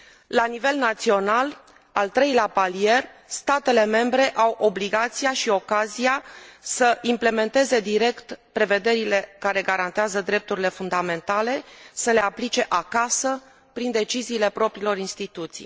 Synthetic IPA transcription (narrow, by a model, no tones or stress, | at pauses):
lanive̞lnat̪sio̞nal | alt̪ɾe̞jleapalije̞rst̪at̪e̞le̞me̞mbɾe̞ʔawʔo̞bliɡat̪sijaʃio̞kazijasəʔimple̞me̞nt̪e̞ze̞d̪iɾe̞kt̪pɾe̞ve̞d̪e̞ɾile̞kaɾe̞ɡaɾant̪eazəd̪ɾe̞p̚t̪uɾile̞fund̪ame̞nt̪ale̞səle̞aplit͡ʃe̞ʔakasə | pɾind̪e̞t͡ʃiziːle̞pɾo̞pɾilo̞ɾinst̪it̪ut̪sḭj